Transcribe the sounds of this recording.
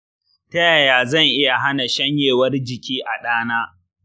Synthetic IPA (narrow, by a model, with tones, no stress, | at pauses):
tɐ˦jaː˨jaː˨zɐ˦˨ŋʔɪ˦ja˨ɦa˦na˨ʃɐ˦ɲjeː˨wɐ˦rd͡ʒɪ˨kʲiː˦ʔa˨ɗaː˦naː˦